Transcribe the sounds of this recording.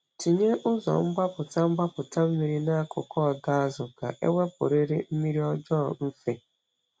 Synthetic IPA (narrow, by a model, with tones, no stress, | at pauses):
ti˨ɲe˦ʔʊ˦zɔ̰˨ŋ͡m̩˦ɡ͡ba˦pʊ˨ta˦ŋ͡m̩˦ɡ͡ba˦pʊ˨ta˦m̩˦mi˨ɾi˦na˦a˦kʰʊ̰˨kʰɔ˦˨da˦a˦zʊ˨ɡa̰˨ʔḛ˦we˦pʊ̰˨ɾe˦ɾe˦m̩˦mi˦ɾi˦ɔ˦d͡ʒɔː˦˨m̩˦fe˦